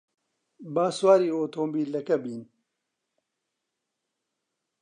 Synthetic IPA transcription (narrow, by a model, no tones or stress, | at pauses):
baːswaːɾiːoːt̪ʰoːmbiːlɐkɐbiːn